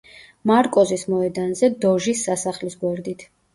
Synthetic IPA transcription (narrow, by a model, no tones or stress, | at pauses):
maɾkʼɔzismɔɛd̪anzɛd̪ɔʒisːasaχlisɡwɛɾd̪it̪ʰ